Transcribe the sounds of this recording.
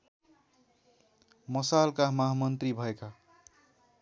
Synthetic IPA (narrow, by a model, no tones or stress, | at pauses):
mʌsalkamʌɦamʌnt̪ribʱʌeka